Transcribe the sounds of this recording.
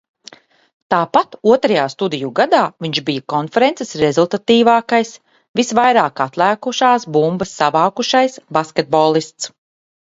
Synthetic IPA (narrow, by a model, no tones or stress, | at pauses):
t̪aːpat̪uɔt̪ɾajaːst̪ud̪ijuɡad̪aːviɲʒbijakɔnfɛɾensesɾezulˠt̪at̪iːvaːkajs | visvajɾaːkat̪lˠæːkuʃaːsbumbɐsːavawkuʃajsbaskʲet̪̚bɔːlˠist̪s